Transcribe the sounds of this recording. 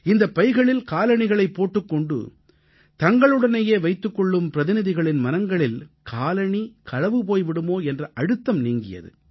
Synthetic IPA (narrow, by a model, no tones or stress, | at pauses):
ɪnd̪ɐpːɐɪɣɐɭɪlkaːlɐɳɪɣɐɭɐɪpːoːʈːɯkːɔɳɖɯ̰ | t̪ɐŋɡɐɭɯɽɐnɐjeːʋɐɪt̪ːɯkːɔɭːɯmpɪɾɐðɪnɪðɪɣɐɭɪnmɐnɐŋɡɐɭɪlkʰaːlɐɳikʰɐɻɐʋɯpoːjʋɪɽɯmoːɛndrɐʔɐɻɯt̪ːɐmniːŋɡɪ̰jɐ̰ðɯ̰